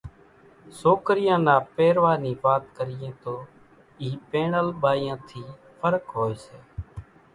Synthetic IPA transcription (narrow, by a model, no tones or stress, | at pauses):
soːkɾɪjãːnaːpeːɾʋaːniːʋaːt̪kəɾɪjẽːt̪oː | iːpeːɳəlɓaːijãːt̪ʰiː | pʰəɾkɦoːeːseː